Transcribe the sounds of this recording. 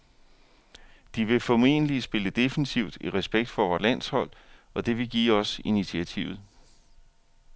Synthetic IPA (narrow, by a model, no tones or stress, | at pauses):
d̥iʋe̝fɒme̝̰ːnəlisb̥e̝ləd̥e̝fənisʰiʊd̥iʁɛsb̥eɡ̥̚d̥fɒʋɒːlæn̰shɒ̽l̰ɒ̽d̥e̝ʋe̝ɡ̥ḭːɒ̽sinit͡sʰiæt͡sʰḭʊð̩ˠ